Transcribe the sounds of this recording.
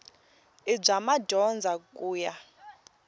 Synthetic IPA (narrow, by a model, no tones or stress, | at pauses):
ib͡ʐamadʱɔnd͡zʱakʼuːja